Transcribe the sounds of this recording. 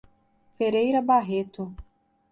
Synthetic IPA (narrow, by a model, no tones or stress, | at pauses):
feɾejɾɐbaɦet̪ʊ